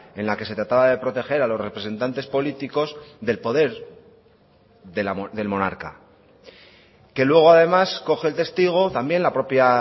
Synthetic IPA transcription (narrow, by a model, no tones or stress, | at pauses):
e̞nlake̞se̞t̪ɾat̪aβaðe̞pɾo̞t̪e̞xe̞ɾalo̞sre̞pɾe̞se̞nt̪ant̪e̞spo̞lit̪iko̞zðe̞lpo̞ðe̞ɾ | ðelaðe̞lmo̞naɾka̰ | ke̞lwe̞ɣ̞o̞aðe̞masko̞xe̞lt̪e̞st̪iɣ̞o̞t̪ambje̞nlapɾo̞pja